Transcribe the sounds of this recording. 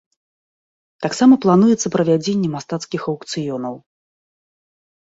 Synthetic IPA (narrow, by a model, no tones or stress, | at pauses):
t̪aksamɐplˠanujɛt̪sːɐpɾɐvʲad͡zʲenʲːɛmast̪at̪skʲixɐwkt̪sɨjɔnɐw